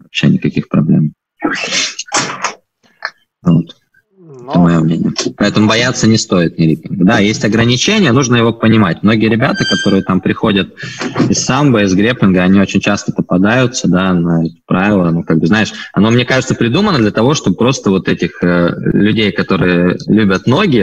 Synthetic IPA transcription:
vɐpɕe̞̰nʲɪkɐkʲixpɾɐ̰blʲḛm | vo̞t̪ | ɛt̪əmɐjo̞mnʲenʲɪ̰jəpɐɛt̪əmʊbɐjat̪sːənʲɪst̪o̞ɪt̪nʲɪɾʲipʲɪnɡəd̪ajesʲtʲɐɡɾənʲɪt͡ɕenʲɪjənuʐnəjɪvo̞pənʲɪmatʲmno̞ɡʲɪjəɾʲɪbʲat̪əkɐt̪o̞ɾɨjət̪ampɾʲɪxo̞dʲət̪̚ɪsːambəɪzɡɾʲepʲɪnɡəɐnʲio̞t͡ɕɪnʲt͡ɕast̪əp̪əpɐd̪ajʊt̪səd̪anɐɛt̪ʲɪ̥pɾavʲɪlˠəɐnokaɡ̚bɨznaɪʂɐno̞mnʲe̞kaʐɨt̪səpɾʲɪd̪umənːəd̪lʲət̪ɐvo̞ʂt̪o̞bəpɾo̞st̪əvo̞t̪ɛtʲɪxəlʲʉdʲejkɐt̪o̞ɾɨjəlʲubʲət̪no̞ɡʲɪ

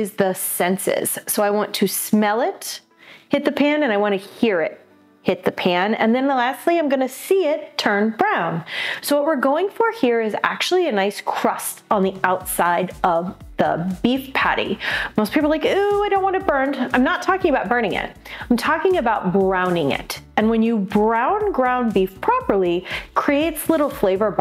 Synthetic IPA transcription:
ɨzðəsɛ̃nsɪ̰z̥soʊaɪwɑ̃ntʰɨsmɛlˠɪt | hɪt̪̚ðɨpʰæ̃nɨ̃ñaɪwɑ̃ɾ̃ɨhiɹɪ̰t̚ | hɪt̪̚ðɨpʰæ̃nɨ̰̃nðɨ̃nlæstˡliãɪ̃mɡʌnɨsiɪtʰɜ̃˞nbɹãʊ̃nsoʊwʌt̚wɨɹɡoʊɪ̃ŋfə˞hiɹɨzæ̰k̚t͡ʃʉl̩ˠiɨnaɪskʰɹ̥ʌstn̩ðiaʊtsaɪɾʔʌvðə̰bifpʰæ̰ɾḭmoʊst̚pʰipl̩laɪkuaɪɾõʊ̃nʔwɑnɨbɜ̃˞nãɪ̃mnətʰɔkɪ̃ŋɨəbaʊt̚b̥ɜ̃˞ñɪ̃ŋɪ̰t̚ãɪ̃mtʰɔkɪ̃ŋɨbaʊt̚bɹãʊ̃nɪ̃ŋɪ̰ɾɨ̃nwɨ̃njɨbɹãʊ̃nɡɹãʊ̃nbifpʰɹ̥ɑpə˞lˠikʰɹ̥ieɪtslɪɾl̩ˠfleɪvə˞b

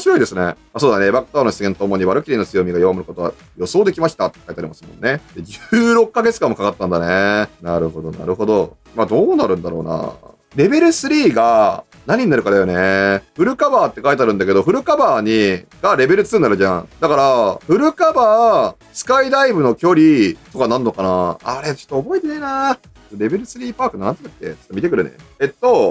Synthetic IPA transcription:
moɕiɾo̞id̪e̞sɨne̞̰ | asoːd̪anebakɯ̥t̪oːnoɕi̥t͡ssɨɡent̪oːmo̞ɲ̟iβaɾɯ̟kʲiɾʲinot͡sɨjo̞mʲiɡajoβamɯ̟ɾɯ̟kot̪o̞βa̰ | jo̞so̞ːd̪e̞kʲimaɕi̥t̪at̪ːekait̪eaɾʲḭmasɨ̥mõ̞̰nːe̞d̪̥e̞d͡ʑɨːɾo̞kːaɡet͡sɨ̥kãmːkakat̪ːãnd̪anenaɾɯ̟ɦo̞d̪o̞na̰ɾɯ̟ɦo̞d̪o̞ | mad̪o̞ːnaɾɯ̟̃nd̪aɾo̞̰ːna̰ | ɾe̞be̞ɾɯ̟sɨɾʲiːɡa | naɲ̟iɲinaɾɯ̟kad̪ajo̞neɸɯ̟ɾɯ̟kabaːt̪ːe̞kait̪aːɾɯ̟nd̪ake̞d̪o̞ɸɯ̟ɾɯ̟kabaːɲ̟iɡ̥aɾe̞be̞ɾɯt͡sɨ̥ɨ̃nd̪aɾɯ̟ʑã̰d̪akaɾaɸɯ̟ɾɯ̟kabaː | sɨ̥kaid̪aibɯ̟no̞kʲo̞ɾʲit̪o̞kanãnːo̞kanaaɾe̞t͡ɕo̥t̪ːoːbo̞it̪enena | et̪ːoɾe̞be̞ɾɯ̟sɨɾʲiːpaːkɯnnãnt̪o̥kak̪ːḛt͡ɕo̥t̪ːomit̪e̞kɯ̟ɾɯ̟nḛet̪ːo̞

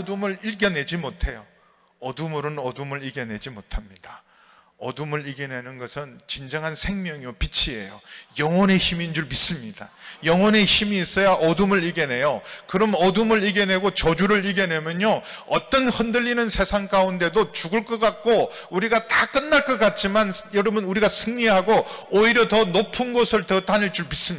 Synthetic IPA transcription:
dumɯɭiɭɡjʌne̞d͡ʑimotʰe̞jo | ʌdumuɾɯnʌdumɯɭiɡened͡ʑimotʰamɲid̥a | ʌdumɯɭiɡe̞ne̞nɯnɡʌsʰɯnt͡ɕind͡ʑʌŋɦansʰe̞ŋmjʌŋiopit͡ɕʰie̞̰jo̰jʌŋwʌne̞çimind͡ʑuɭmis͈ɯmɲid̥ajʌŋwʌne̞çimiːs͈ʌjaʔʌdumɯɭiɡe̞ne̞jokɯɾʌmʌdumɯɭiɡe̞ne̞ɡot͡ɕʌd͡ʑuɾɯɭiɡe̞ne̞mjʌɲoʌt͈ʌnhʌndɯʎːinɯnsʰe̞sʰaŋk͈aunde̞dot͡ɕuɡɯɭk͈ʌk͈ak̚k͈o | uɾiɡatak͈ɯnːaɭk͈ʌk͈at̚t͡ɕ͈imanjʌɾʌbɯnuɾiɡasʰɯŋɲiɦaɡoːiɾjʌtʌnopʰunɡʌsʰɯɭtʌtanɯɭt͡ɕ͈uɭmis͈ɯm

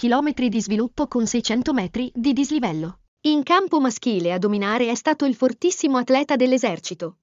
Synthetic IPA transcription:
k̟ilɔːmet̪ɾid̪izvilupːokonsɛjt͡ʃɛnt̪omɛːt̪ɾid̪id̪izlivɛlːo | iŋkampomask̟iːlead̪ominaːɾeɛst̪aːt̪oilfort̪isːimoat̪lɛːt̪ad̪elːezɛrt͡ʃit̪o

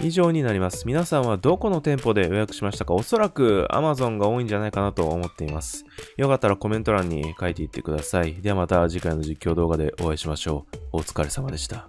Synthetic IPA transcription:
iʑo̞ːɲ̟inaɾʲimasɨ̥mʲinasãɰ̃β̞ad̪o̞ko̞no̞t̪ẽ̞mpo̞d̪e̞jojakɯ̟̥ɕimaɕi̥t̪akao̞so̞ɾakɯ̟a̰mazõ̞ŋɡao̞ːĩɲ̟d͡ʑanaikanat̪o̞ːmo̞t̪ːe̞imasɨ̥jokat̪ːaɾako̞mẽ̞t̪oɾãɲ̟ːḭkait̪e̞it̪ːe̞̥̰kɯ̟d̪asaid̪e̞amat̪aʑikaino̞ʑikʲːo̞ːd̪o̞ːɡad̪e̞ʔo̞aiɕimaɕo̞ːot͡sɨ̥kaɾe̞samad̪e̞ɕi̥t̪a

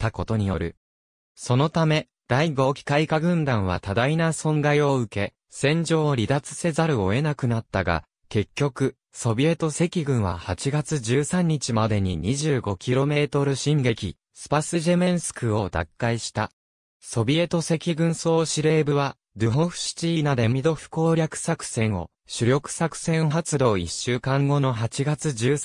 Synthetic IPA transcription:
t̪ːako̞t̪o̞ɲ̟ijo̞̰ɾɯ̟ | so̞no̞t̪ame̞ | d̪̥aiɡo̞ːkʲi̥kaikaɡɯ̟̃nd̪ãɰ̃β̞a̰t̪ad̪ainasõ̞nɡaio̞ɯ̟ke̞ | sẽ̞ɲ̟d͡ʑo̞ːɾʲid̪at͡sɨ̥se̞zaɾɯ̟o̞e̞nakɯ̟nat̪ːaɡa̰ | ke̞kʲːo̞kɯ̟ | so̞bʲie̞t̪o̞se̞kʲiɡɯ̟̃ɰ̃βa̰hat͡ɕiɡat͡sɨd͡ʑɨːsãɲ̟ːit͡ɕimad̪e̞ɲ̟iɲ̟iʑɨːɡo̞kʲiɾo̞me̞ːt̪o̞ɾɯ̟ɕĩŋɡe̞kʲi | sɨ̥pasɨʑe̞mẽ̞ɰ̃sɨ̥kɯ̟o̞d̪a̰kːaiɕi̥t̪a | so̞bʲie̞t̪o̞se̞kʲiɡɯ̟̃ɰ̃so̞ːɕiɾe̞ːbɯ̟βa | d̪ɯ̟ɦõ̞ɸɯ̟̥ɕi̥t͡ɕiːnad̪e̞mʲid̪o̞ɸɯ̟̥ko̞ːɾʲakɯ̟̥sakɯ̟̥sẽ̞ɰ̃o̞̰ | ɕɨɾʲo̞kɯ̟̥sakɯ̟̥sẽ̞ɰ̃ɦat͡sɨd̪o̞ːiɕːɨːkãŋɡo̞no̞ɦat͡ɕiɡat͡sɨd͡ʑɨː

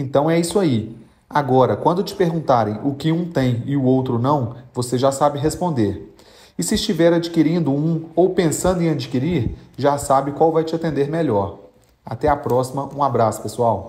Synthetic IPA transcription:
ẽnt̪ɐ̃w̃ɛisʊai | aɡɔɾɐkwɐ̃nd̪ʊt͡ʃɪ̥peɾɡũnt̪aɾẽj̃ʔʊkɪũt̪ẽj̃ɪʊowt̪ɾʊnɐ̃w̃voseʒasabɪɦespõnd̪eɾ | ɪsɪːst͡ʃivɛɾad͡ʒikiɾĩnd̪ʊũowpẽsɐ̃nd̪ʊɪ̃ɐd͡ʒikiɾiɾʒasabɪkwawvajt͡ʃɪat̪ẽnd̪eɾmɛʎɔɾ | at̪ɛapɾɔsimɐʔũabɾasʊ̥pesuaw

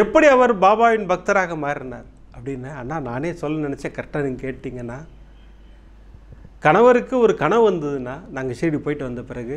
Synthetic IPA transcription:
ɛpːɐɽiɐʋɐɾbaːbaːʋɪnbɐk̚t̪ɐɾaːɣɐmaːɾɪɾɯnaːɾ | ɐpːɐɽɪnːɐaːnːaːnaːneːsɔlːɐnɪnɛt͡ʃːɐːkɐɾʈːɐniɡkeːʈʈ̪ːiːŋɡɐnːaː | kɐɳɐʋɐɾɯkːɯɔɾɯkɐɳɐ̃ʋɐnd̪ɐðɯnːaːnaːŋɡɐseːɽipoːjɪʈːɯʋɐnd̪ɐpɪɾɐɣɯ

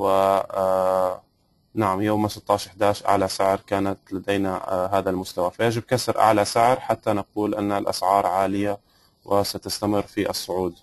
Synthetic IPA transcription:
wɪ | naʕamjoːmasɪt̪ˤːɑːʃʔɪħd̪aːʃʔa̰ʕlasɪʕɾkaːnat̪lad̪ejnaɦaːðalmʊst̪awafajaʒɪb̚kasɾʔa̰ʕlasɪʕɾħat̪ːanaquːlʔɪnːalʔa̰sʕɑːɾˤʕaːlɪja | wʔɪsat̪ast̪amɪrːfiʔɑsˤːʊʕuːd̪

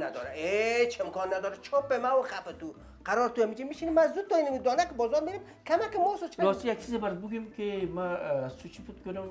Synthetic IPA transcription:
ad̪ɔ̰ɾa̰et͡ʃɪmkɔnːad̪ɔɾat͡ʃʰopemawxafɪt̪u | qaɾɔɾt̪uamid͡ʒimiʃinemazut̪ːɔinamid̪ɔnakɪbɔzɔɾmeɾem | kʰamakɪmɔsɔt͡ʃʰɾɔst̪ijak̚t͡ʃʰizabaɾɪt̪̚bʊɡemkemaːsut͡ʃʰiput̪kʊnʊm

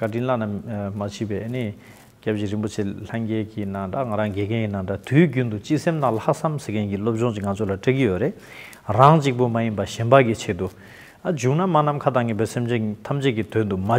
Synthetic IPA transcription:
kaʈ͡ʂinlanamat͡ɕʰiːpɛːʔeni | cap̚ʑiɹipot͡ɕʰeɬaŋkɛːkinat̪aŋaɾaŋɡɛkʰɛnjinːadat̪ʰyːcynt̪ut͡ɕiʔsemt̪alhaʔsamsekʰɛnkilop̚t͡ɕɔŋt͡ɕiʔŋant͡sʰolaʈ͡ʂakijøɾeʔ | raŋt͡ɕiʔ̚pomajinpaɕɛnpakit͡ɕʰet̪u | ad͡ʑuʔnamanamkʰat̪aŋiːpɛːsemd͡ʑet̪ʰamt͡ɕekit̪ʰønd̪uma

